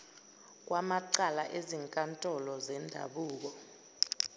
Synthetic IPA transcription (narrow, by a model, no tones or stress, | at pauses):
k̬ʼwʔamaǀalaʔeziŋkʼantʼɔlɔzɛndʱa̰ɓuːk̬ɔ